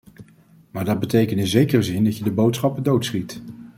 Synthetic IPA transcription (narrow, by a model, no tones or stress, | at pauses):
maːɹdɑd̚bətejkəntɪnzejkərəzɪndɑtjədəbowtsχɑpəndowtsχit